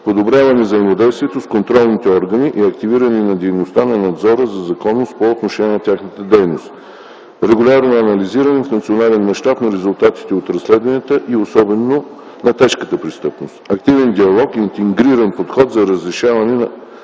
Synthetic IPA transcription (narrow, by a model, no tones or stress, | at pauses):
pod̪obɾʲavɐnɛvzəimod̪ɛjst̪viɛt̪oskont̪ɾɔlˠnit̪ɛɔɾɡəniʔiɐk̚t̪iviɾəninɐd̪ɛjnost̪anɐnɐd̪zɔɾəzɐzɐkɔnːost̪̚poot̪noʃɛnʲɛnɐt̪ʲaxnət̪əd̪ɛjnost̪ | ɾɛɡʊlʲaɾnoɐnɐliziɾənɛfnɐt̪sionalɛnmɐʃt̪apnɐɾɛzʊlˠt̪at̪i̥t̪ɛot̪ɾɐslɛd̪vɐnʲət̪əʔiosɔbɛno | nɐt̪ɛʃkət̪əpɾist̪ɤpnost̪ɐkt̪ivɛnd̪iɐlˠɔkiːnt̪ɛŋɡɾiɾɐnpot̪xɔt̪zɐɾəzɾɛʃavɐnɛnɐ